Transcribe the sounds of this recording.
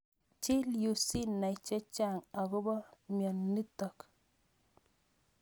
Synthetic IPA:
t͡ʃi˦lju˨si˦nːa˨i˨t͡ʃɛ˦t͡ʃa˦˨ŋa˨kʊ˦bɔ˦mjɔ˨nnːi˦tɔ˨k

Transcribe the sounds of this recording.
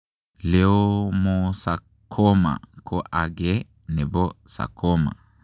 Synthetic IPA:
lɛ˦ɔ˦mɔ˨sa˨ | kʰɔ˦ma̰˨kʰɔ˦ʔa˨ɡɛ˦ | nɛ˨bɔ˦sa̰˨kʰɔ˦ma̰˨

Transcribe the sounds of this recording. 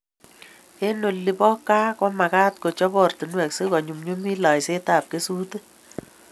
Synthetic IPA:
e˦no˨lːi˦pɔ˦kːa˦kɔ˦ma˨kaː˦t̚ko˨t͡ʃɔ˦bɔ˨rtu˨nwɛ˨kse˦kɔ˨ɲu˨mɲu˦mi˦la˨jse˦taː˨p̚ke˦su˦te˦

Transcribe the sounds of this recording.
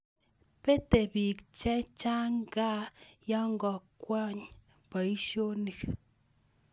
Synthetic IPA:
pe˦t̪e˨bi˨kt͡ʃɛ˦t͡ʃa˦ŋɡa˦ja˦ŋɡɔ˧˨kʷa˦ɲ | pa˨i˦ʃo˦ni˨k

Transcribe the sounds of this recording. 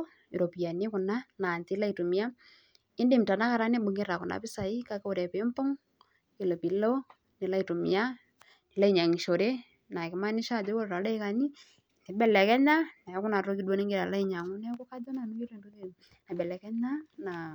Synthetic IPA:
ɪ˨ɾo˨pi˨a˨nɪ˦kʊ˨na˦na˨ntɪ˦la˦i˨to˨mɪ˦ja˦ | ɪ˦nde˦˨mta˨na˦ka˨ɾa˦ne˦ɓʊ˨ŋɡɪ˦ɾa˨kʊ˨na̰˨pɪ˦sa˨i˦ka˨˦ke˦o˨ɾɛ˨pe˨˦mpʊ˦ŋ | kɪ˨lo˨pi˨lɔ˦ | nɪ˨la˦i˨to˨mɪ̰˨a˦ | nɪ˨la˦i˨ɲa˨ŋi˨ʃo˨ɾe˦ | na˨kɪ˨ma˦nɪ˦ʃa˦˨d͡ʒo˦wo˦ɾɾa˨la˦ɪ˦ka˨ni˦ | nɛ˨bɛ˦˨lɛ˨kɛ˦ɲa˦na˨˦kʊ˦na˨ɾo˦kɪ˦dwo˦ne˦ŋɡɪ˦ɾa˨la˦i˦ɲa˨ŋʊ˦nɛ˦kɔ˦ka˦dɔ˦na˨nu˦ki˦ɾo˦˨du˦e˦ | na˨bɛ˨lɛ˨kɛ˦ɲa˦na˨

